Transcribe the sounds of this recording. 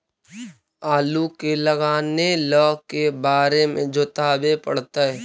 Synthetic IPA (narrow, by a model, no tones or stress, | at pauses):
aːlukeləɡaːnelɔːkebaːɾemḛ̃d͡ʒʱot̪aːbepə̰ɽ̤t̪aɦɛ